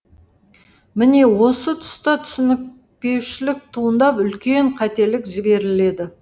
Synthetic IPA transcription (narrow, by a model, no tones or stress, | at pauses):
mɪne̞wo̞sət̪ʰʊ̥st̪ɑt̪ʰʏ̥sɪnɪk̚ | pe̞wʃɪlɪk̚t̪ʰuənd̪ɑpʏlkʲe̞ɴqʰɑt̪e̞lɪkʒɪbe̞ɾɪle̞d̪ɪ